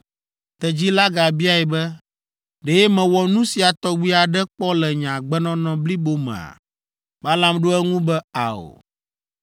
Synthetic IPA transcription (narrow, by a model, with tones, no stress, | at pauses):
t̪ɛ˨d͡ʑi˦la˦ɡa˨bi˦a˦ɛ˨bɛ˦ | ɖe˨jɛ˦mɛ̃˨wɔ˨nũ˦si˨a˨t̪ɔ˦wi˦a˨ɖɛ˦k͡pɔ˦lɛ˨ɲã˨ɡ͡bɛ˦nɔ̃˦nɔ̃˦bli˦bo˦mɛ̰̃˨a̰˨ | ba˦lã˦mɖo˦ɛ˦ŋũ˦bɛ˦a˨o̰˨